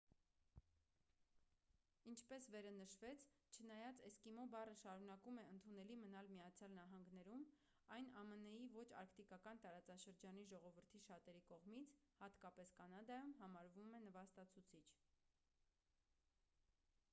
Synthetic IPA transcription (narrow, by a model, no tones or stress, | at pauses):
int͡ʃʰpɛsvɛɾɑnəʃvɛt͡sʰ | t͡ʃʰənɑjɑt͡sɛskimɔbɑrəʃɑɾunɑkumɛənt̪ʰunɛlimənɑlmijɑt͡sʰjɑlnɑɦɑŋɡnɛɾum | ɑjnɑmənɛjivɔt͡ʃʰɑ̰ɾkʰt̪ikɑkɑnt̪ɑɾɑt͡sɑʃəɾd͡ʒɑniʒɔʁɔvəɾt̪ʰiʃɑt̪ɛɾikɔʁmit͡sʰhɑt̪kɑpɛskɑnɑd̪ɑjumɦɑmɑɾvumɛnəvɑst̪ɑt͡sʰut͡sʰit͡ʃʰ